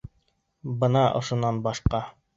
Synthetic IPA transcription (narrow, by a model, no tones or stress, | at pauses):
bɤ̆nɑʔŏ̰ʃŏnɑnbɑʃqɑ